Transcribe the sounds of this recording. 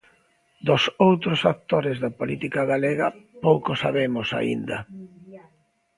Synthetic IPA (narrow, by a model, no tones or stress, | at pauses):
d̪ʊsowt̪ɾosak̚t̪oɾɪzðɐpolit̪ikaɣaleɣɐpowkosa̰βemʊsa̰ḭnd̪ɐ